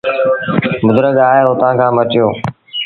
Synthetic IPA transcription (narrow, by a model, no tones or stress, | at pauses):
bʊd̪ɾəɠaːɦeːɦoːt̪ãːkʰãːmət͡ʃjoː